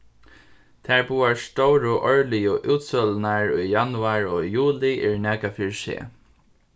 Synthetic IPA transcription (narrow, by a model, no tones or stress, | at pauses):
t̪ʰæɹbuːaɹst̪owɾʊʔɔɹlɪjʊʔuːt̪sœlnaɹujjanʊaɹo̰ːjuːlɪʔɪɹnɛːkafɪɹsḛː